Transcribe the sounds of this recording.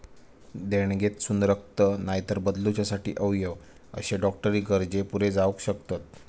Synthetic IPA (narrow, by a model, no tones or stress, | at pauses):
d̪eɽ̃ɡet̪sund̪ɾək̚t̪ənajt̪əɾbəd̪lut͡ɕjasaʈḭːʔəʋjəʋ | ə̰ɕeɖɔkʈəɾiːɡəɾd͡ʑepuɾed͡zaʋəkɕəkt̪at̪̚